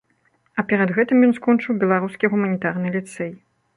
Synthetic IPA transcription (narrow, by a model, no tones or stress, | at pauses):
ɐpʲɛɾɐd̪ɣɛt̪ɨmjɔnskɔnt͡ʂɨwbʲɛlˠaɾuskʲiɣumɐnʲit̪arnɨlʲit̪sɛj